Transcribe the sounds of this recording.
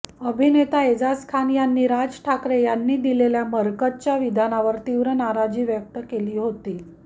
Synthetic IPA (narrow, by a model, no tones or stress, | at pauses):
əbʱinet̪aed͡zaskʰanjanːiːɾad͡zʈʰakɾejanːiːd̪ileljaməɾkət̪t͡ɕjaʋid̪ʱanaʋəɾt̪iʋɾənaɾad͡ʑiːʋjək̚t̪əkeliːɦot̪iː